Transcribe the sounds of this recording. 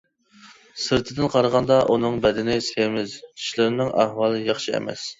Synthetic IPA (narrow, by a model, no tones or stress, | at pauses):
sɨɾt̪ʰɨd̪ɪnqʰɑɾəʁɑnd̪ɑʔunɨŋbɛd̪ɪnɪsemɪzʰi̥ʃlɪɾɪnɨŋʔæhwɑːlˠɨjɑχʃiɛ̰mɛ̰s